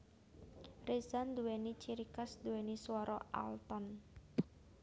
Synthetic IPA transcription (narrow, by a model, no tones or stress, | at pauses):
resand̪uwenit͡ʃiɾikasd̪uwɛniswɔɾɔa̰lt̪ɔn